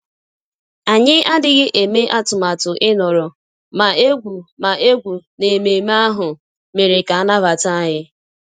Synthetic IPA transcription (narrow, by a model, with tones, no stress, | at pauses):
a˨ɲɪ˦a˦dɪ˦ɣɪ˦ʔe˨me˦ʔa˦tʊ˨ma˨tʊ˨ʔɪ˦nɔ˨ɾɔ˨ | ma˨e˦ɡʷu˨ma˨ʔe˦ɡʷu˨ne˨me˨m˦a˦ɦʊ˨ | me˨ɾe˨ka˨a˦na˦ba˨ta˦a˦ɲɪ˦